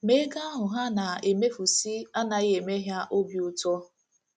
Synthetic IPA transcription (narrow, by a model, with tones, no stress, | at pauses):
me˦ɡa˦a˦ɦʊ˨ɦa˦na˨e˨me˦fu˨si˦a˦na˨je˨me˦ɦja˦ʔo˦bjʊ˦tɔ˦